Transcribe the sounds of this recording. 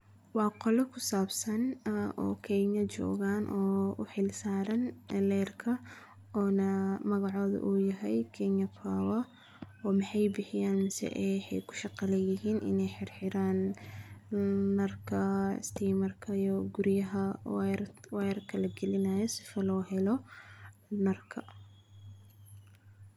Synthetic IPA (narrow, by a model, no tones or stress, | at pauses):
wɑːqɔlɛkʰʊsaːbsɐnɔ̰ːkʰɛɲɐt͡ʃɔ̰ːɣaːnʔɔːʊħɪlsaːɾɐnlɛːrkʰɐ | ɔːnɐmɐɣɑʕɔːðɐ̰ʔuːjɐɦɛjkʰɛɲɐpʰaːwɐ | ɔːmɪħɑjbɪħɪjaːnmɪsɛ̰ʔɛħɛ̰jkʰʊ̥ʃɑqɑlɛjɪɦiːnʔɪ̰nɛjħɪrħɪɾaːn | ɐrkʰɐɪ̰st̪ʰiːmɐrkʰɐijɔɡʊɾjɐɦɐwɾwɛɾkʰɐlɐɡɛlɪnajɔsɪfɐlɔːɦɛlɔ | nɐrkʰɐ